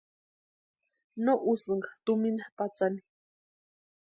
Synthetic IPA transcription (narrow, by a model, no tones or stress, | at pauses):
noʔusɨŋɡḁt̪uminapat͡sani̥